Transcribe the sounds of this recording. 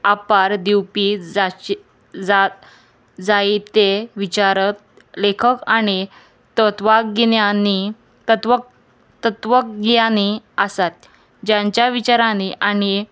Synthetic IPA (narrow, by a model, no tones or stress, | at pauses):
apaɾd̪iwpid͡za | d͡zat̪̚ | d͡zait̪eʋit͡ɕaɾət̪̚ | lekʰəkañi | t̪ət̪ʋakɡinjani | t̪ət̪ʋə | t̪ət̪ʋək̚ɡijaniəsat̪̚ | d͡ʑãɲt͡ɕjaʋit͡ɕaɾãniʔañi